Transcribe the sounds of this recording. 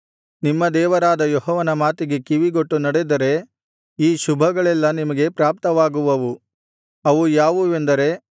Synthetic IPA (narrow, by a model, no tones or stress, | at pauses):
nimːɐd̪ɛːʋɐɾaːd̪ɐjɔɦɔːʋɐnɐmaːt̪iɡe̞kiʋiɡoʈːunɐɽed̪ɐɾe̞ | iːʃubʱɐɡɐɭɛlːɐnimɐɡe̞pɾaːp̚t̪ɐʋaːɡuʋɐʋu | ɐʋujaːʋuend̪ɐɾe̞